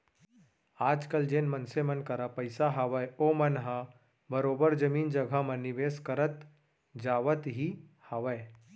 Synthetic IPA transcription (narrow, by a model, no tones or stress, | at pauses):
aːd͡ʒkɐld͡ʒeːnmɐnsemɐnkɐɾapɐɪsaɦaʋəeoːmɐnɦa | bɐɾoːbəɾd͡ʒɐmiːnd͡ʒɐɡʱamɐ̃nɪʋeːskɐɾət̪ | d͡ʒaːʋət̪ɦi | haʋə